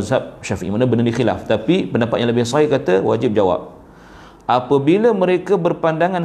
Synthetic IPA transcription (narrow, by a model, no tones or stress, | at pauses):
zɦap̚ʃafiʔḭmanəbənədixila̰ft̪apipəndapat̪̚jãləbɪhsɔɦɪhkat̪əwa̰d͡ʒɪp̚d͡ʒawa̰p̚ | ʔapəbiləmə̃ɾekəbərpandaŋan